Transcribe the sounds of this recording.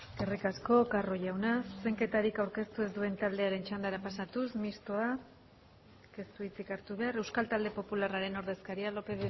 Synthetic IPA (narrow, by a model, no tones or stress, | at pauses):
ɡerikasko̞karo̞ʝawnasse̞ŋke̞t̪aɾikawɾke̞st̪ue̞zd̪ue̞nt̪ald̪e̞aɾe̞nt͡ʃand̪aɾapasat̪usmist̪oa | kest̪uit͡sikaɾt̪uβ̞e̞are̞wskalt̪ald̪e̞po̞pularaɾe̞no̞ɾðe̞skaɾialo̞pe̞ð